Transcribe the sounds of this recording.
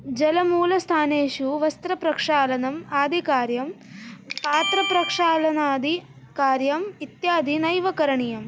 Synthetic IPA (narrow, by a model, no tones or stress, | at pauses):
d͡ʒɐlɐmuːlɐst̪ʰaːneːʃuʋɐst̪ɾɐpɾɐkʂaːlɐnɐmaːd̪ʱikaːɾjɐm | paːt̪ɾɐpɾɐkʂaːlɐnaːd̪ʱi | kaːɾjɐmit̪jaːd̪ʱinɐjʋɐkɐɾɐɳijɐm